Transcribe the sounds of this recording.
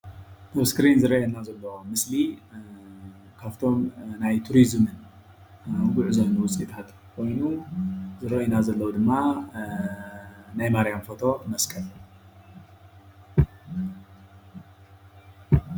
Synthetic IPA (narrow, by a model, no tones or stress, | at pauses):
t̪ɐβskɾinzɨɾɐjɐnazɐlːɐwomɨsli | kʰaβt̪ʰo̞mnajt̪ʰuɾizmɨn | wɡuʕzonuwʊt͡sʼit̪ʰat̪ | kʰo̞jnuzɨɾɐʔjunazɐlːɐwud̪ɨmːa | najmaɾjamfot̪ʰo̞mɐskʰɐl